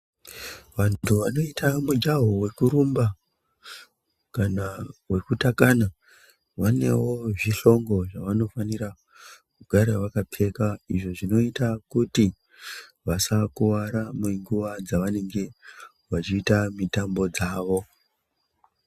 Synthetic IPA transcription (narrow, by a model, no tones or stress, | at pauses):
ʋantʰuʋano̞itʰamud͡ʒaɦowe̞kuɾumba | kanawe̞kutakana | ʋane̞̰wo̞ʐiɬo̞ŋɡo̞ʐaʋano̞faniɾa | kuɡʱaɾawakapʰe̞kaiʐo̞ʐino̞itakuti | ʋasakuwaɾameŋɡuʋad͡zaʋane̞ŋɡe̞ | ʋat͡ʃiːtamitambo̞d͡zaːʋo̞